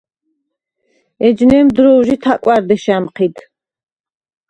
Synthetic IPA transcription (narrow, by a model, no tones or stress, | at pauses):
ɛd͡ʒnɛmd̪ɾɔwʒit̪ʰakʼwaɾd̪ɛʃamqʰid̪